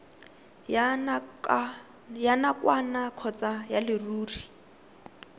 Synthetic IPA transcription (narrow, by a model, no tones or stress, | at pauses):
janakwanakʰɔt͡sajalɪruːri